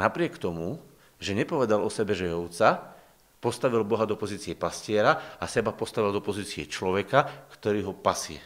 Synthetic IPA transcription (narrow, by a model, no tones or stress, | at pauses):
napɾɪɛkt̪ɔmu | ʒɛɲɛpɔʋɛd̪alɔsɛbɛʒɛjɔʊt͡sa | pɔst̪aʋilbɔɦad̪ɔpɔziːt͡siɛpascɪɛɾaasɛbapɔst̪aʋild̪ɔpɔziːt͡siɛ̰t͡ʃlɔʋɛkakt̪ɔɾiːɦɔpasiɛ̰